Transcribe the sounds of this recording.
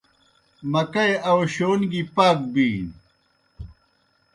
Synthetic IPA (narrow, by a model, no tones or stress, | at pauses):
mɐkɐeɐwɕoːnɡipaːk̚biːn